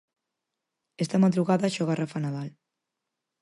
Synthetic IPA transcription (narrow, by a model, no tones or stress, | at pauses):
est̪amaðɾuɣaðaʃɔɣarafanaðal